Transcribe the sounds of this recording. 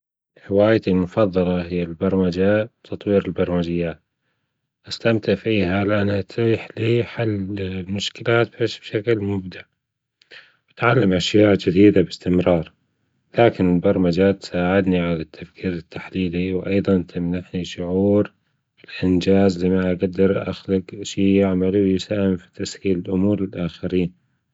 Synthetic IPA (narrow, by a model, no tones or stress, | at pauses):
ħɪwaːjt̪ilmʊfɑðˤːɑlɑɦɪjːalbɑɾˤmad͡ʒabt̪ʰɑt̪ˤwiːɾɪlbɑɾˤmad͡ʒɪjːaːt̪ | ʔast̪amt̪ɪʕfiːɦalɪʔanːhat̪iːħliːħalːlmʊʃkɪlaːt̪̚baʃb̥ʃaklmʊbd̪aʕ | wɪt̪ʕalːamʔaʃjaːʔd͡ʒɪd̪iːd̪abɪst̪ɪmɾɑːɾˤ | laːkɪnɪlbɑɾˤmad͡ʒaːt̪ːsaːʕɪd̪niʕalat̪ʰːafkʰiːɾɪt̪ːaħliːliwʔɑjðˤɑnt̪ʰɪmnaħniʃʊʕuːɾ | bɪlʔɪnd͡ʒaːzliːmaʔaɡad̪ːɑɾˤʔa̰xlɪɡʃiːjɪʕmaluwjɪsaːhɪmfi̥t̪ashiːlɪlʔʊmuːɾɪlʔaːxaɾiːn